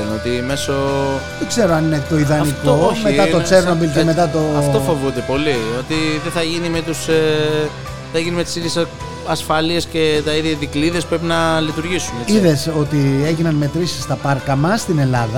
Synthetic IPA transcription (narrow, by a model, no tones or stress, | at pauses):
not̪ime̞soðeɡ̥ze̞ɾoɐninet̪o̞iðɐnnikomeɐo̞t͡se̞ɾnobilceme̞t̪ɐt̪oɐft̪offovud̪epo̞liot̪iðeθɐʝinime̞t̪us | θɐʝinimet̪i̥siðʝes | ɐsfɐliescet̪ɐiðʝɐðikliðe̞spɾe̞pinɐlit̪uɾʝisuneiðe̞so̞t̪ie̞ʝinɐnme̞t̪ɾisi̥st̪ɐpɐɾkɐmɐst̪ine̞lɐðɐ